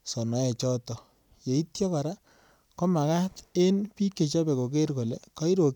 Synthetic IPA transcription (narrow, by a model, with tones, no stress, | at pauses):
sɔ˨nɔ˨˦ɛ˨t͡ʃɔ˦tɔ˨ | je˨i˦tjɔ˦ka˨ɾa˦ | kɔ˦ma˨ka˦te˦npi˦kːe˨t͡ʃɔ˦pɛ˨ko˨ke˦ɾko˨le˨kɔ˦i˦ɾo˨k